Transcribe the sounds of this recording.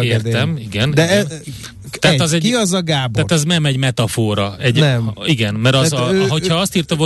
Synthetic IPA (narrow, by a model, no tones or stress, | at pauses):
eːrt̪ɛmiɡɛnd̪ɛɛ | t̪ɛːt̪ɛzɛɟkiɒzɒɡaːbt̪aːt̪ɛzmɛmɛɟmɛt̪ɒfoːɾɒɛɟɛmiɡɛnmɛɾɒzɒɦochɒɒst̪iːrt̪ɒɦo